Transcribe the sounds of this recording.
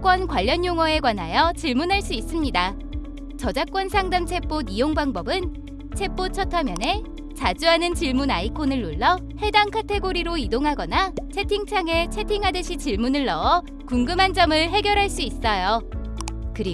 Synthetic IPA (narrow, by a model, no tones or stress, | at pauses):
k͈wʌnkwaʎːʌnjoŋʌe̞kwanɦajʌt͡ɕiɭmunɦaɭs͈uis͈ɯmɲida | t͡ɕʌd͡ʑak͈wʌnsʰaŋdamt͡ɕʰe̞p͈onijoŋbaŋbʌbɯn | t͡ɕʰe̞p͈ot͡ɕʰʌtʰʌmjʌne̞ | t͡ɕad͡ʑuɦanɯnt͡ɕiɭmunaikʰonɯɭːoɭːʌ | he̞daŋkʰatʰe̞ɡoɾiɾoidoŋɦaɡʌnat͡ɕʰe̞tʰiŋt͡ɕʰaŋe̞t͡ɕʰetʰiŋɦadɯɕʰit͡ɕiɭmunɯɭːʌʌ | kuŋɡɯmɦand͡ʑʌmɯɭɦe̞ɡjʌɾɦaɭs͈uis͈ʌjo | kɯɾi